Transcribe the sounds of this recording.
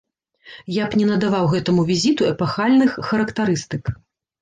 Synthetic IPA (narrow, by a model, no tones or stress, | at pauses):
japnʲɛnɐd̪avawɣɛt̪ɐmuvʲizʲit̪uɛpaxalʲnɨxːɐɾɐkt̪aɾɨst̪ɨk